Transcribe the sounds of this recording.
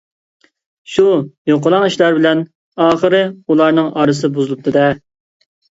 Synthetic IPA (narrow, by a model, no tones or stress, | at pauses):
ʃujoqəlˠɑŋiʃlæɾbɪlɛn | ɑːχəɾɨulˠɑɾnɨŋʔɑɾɨs̬ɨbuzɨlˠup̚t̪ʰɨd̪ɛ